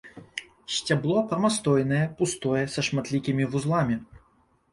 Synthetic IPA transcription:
sʲt͡sʲablˠɔpɾɐmast̪ɔjnɐjɛpust̪ɔjɛsɐʂmat̪lʲikʲimʲivuzlˠamʲi

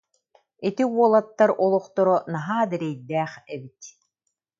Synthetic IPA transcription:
it̪iuɔlˠat̪ːaɾʔɔlˠɔχt̪ɔɾɔnaɦaːd̪ɛɾɛjd̪æːχɛbit̪

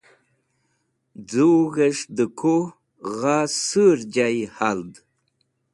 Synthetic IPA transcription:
d͡zuɣeʂd̪əkʰo | ʁasəɾd͡ʑajihald̪

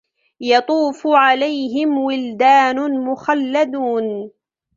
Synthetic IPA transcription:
jɑt̪ˤuːfʕalajɦɪmwɪld̪aːnʊmʊxalːad̪uːn

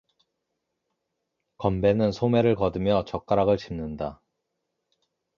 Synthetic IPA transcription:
kʌmbe̞nɯnsʰome̞ɾɯɭkʌdɯmjʌt͡ɕʌk͈aɾaɡɯɭt͡ɕimnɯnda

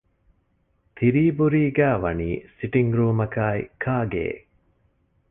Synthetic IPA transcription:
t̪ʰiɾiːbuɾiːɡæːʋɐnḭːsiʈiŋɡɾuːmɐkaːikʰaːɡḛː

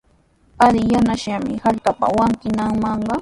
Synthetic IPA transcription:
alɪjanaʃamɪhaʎkapa̰waŋkɪnɑŋmɑɴɢɑ

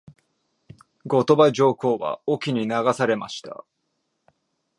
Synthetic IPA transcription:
ɡo̞t̪o̞baʑo̞ːko̞ːβa̰okʲiɲ̟inaɡasaɾe̞ma̰ɕi̥t̪a̰

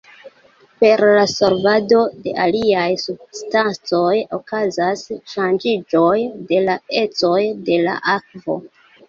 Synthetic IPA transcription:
pe̞ɾlaso̞ɾvado̞de̞̰ʔaliajsub̚stant͡so̞jo̞kazasʃand͡ʒid͡ʒo̞jde̞lae̞t͡so̞jde̞la̰ʔakvo̞̰

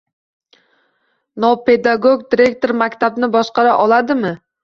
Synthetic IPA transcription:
nope̞d̪aɡoɡ̚d̪iɾe̞kt̪oɾmakʲt̪ʰabnɪbɒʃqɑɾaʔɒlˠad̪ɪmɪ

